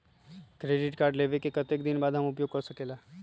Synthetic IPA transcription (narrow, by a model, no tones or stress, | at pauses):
kɾeːɖɪʈkaːɾɖleːʋekekɐt̪eːkd̪ɪnbaːd̪ɦɐmʊpjoːɡ̚kɐɾsɐkeːlaː